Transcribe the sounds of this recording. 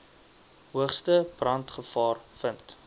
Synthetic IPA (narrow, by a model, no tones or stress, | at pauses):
ɦuəχstəb̥rɐntχəfɑːrfənt